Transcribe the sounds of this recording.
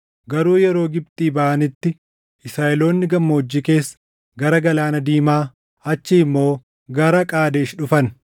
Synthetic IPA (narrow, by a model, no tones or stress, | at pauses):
ɡɐɾuːjɛɾo̞ːɡɪb̚t̪ʼiːbɐʔɐnɪt̪ːɪ | ʔɪsɾaːʔɛlo̞ːnːɪɡɐmːɐɔd͡ʒːike̞ːsːɐ̥ | ɡɐɾɐɡɐlaːnɐd̪iːmaː | ɐt͡ʃːɪɪmːo̞ː | ɡɐɾɐkʼaːd̪eːʃᶑʊfɐn